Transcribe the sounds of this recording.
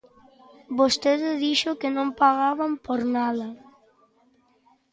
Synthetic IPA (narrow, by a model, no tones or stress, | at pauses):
bost̪eðɪðiʃʊkɪnõmpaɣaβampoɾnaðɐ